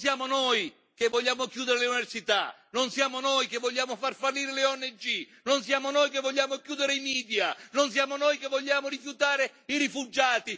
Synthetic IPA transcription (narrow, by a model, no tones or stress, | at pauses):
sjaːmonoj | kevːoʎːaːmokjuːd̪eɾeluniversit̪a̰nonsjaːmonojkevːoʎːaːmofarfalːiːɾelɪɔnːed͡ʒi | nonsjaːmonojkevːɔʎːaːmokjuːd̪eɾeimiːd̪janonsjaːmonojkevːoʎːaːmoɾifjut̪aːɾeiɾifud͡ʒaːt̪i